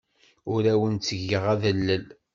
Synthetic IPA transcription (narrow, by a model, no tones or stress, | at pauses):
ʊɾæwənt͡sːəʝəʁæðəlːəl